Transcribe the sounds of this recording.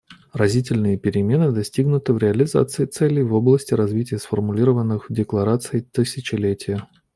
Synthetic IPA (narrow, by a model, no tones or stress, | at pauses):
rɐzʲit̬ʲɪlʲnɨjəpʲɪɾʲɪmʲe̞nɨd̪ɐsʲtʲiɡnʊt̪əvɾʲɪɐlʲɪza̰t̪sɨɪt̪sɛlʲɪjvo̞blˠəsʲtʲɪɾɐzvʲitʲɪjəsfərmʊlʲiɾəvənːɨxvdʲɪklˠɐɾat̪sɨɪt̪ɨsʲɪt͡ɕɪlʲetʲɪjə